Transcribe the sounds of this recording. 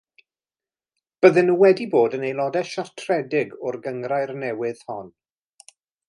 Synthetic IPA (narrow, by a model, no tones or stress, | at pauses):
b̥əðɨnuːwɛdiboːdənejlˠɔdɛʃar̥tʰrɛdɪɡʊrɡəŋrajrnɛwɪð̥hɔn